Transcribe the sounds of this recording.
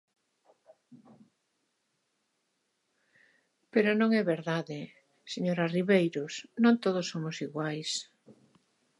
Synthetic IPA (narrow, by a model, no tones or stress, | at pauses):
peɾʊnõŋɛβeɾðaðɪ | seɲoɾariβejɾʊsnõnt̪oðʊsːomʊsiɣwajs